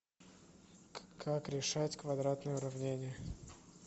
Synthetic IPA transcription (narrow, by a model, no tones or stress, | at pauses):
kʰakɾʲɪʂatʲkvɐd̪ɾat̪nəjəʊɾɐvnʲenʲɪjə